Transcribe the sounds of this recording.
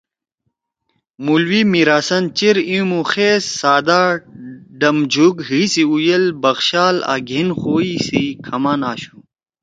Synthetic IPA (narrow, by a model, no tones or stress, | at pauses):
mulwimiɾaːsɐnt͡ɕiɾĩmũxeːsːaːd̪aː | ɖɐmd͡ʑʱuɡɦisiujɐlbɐɣɕaːla̰ːɡʱinxoːisikʰɐmaːnaːɕu